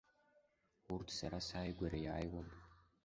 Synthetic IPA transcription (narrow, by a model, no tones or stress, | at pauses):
urtʰsaɾasaːjɡʷaɾajaːjwam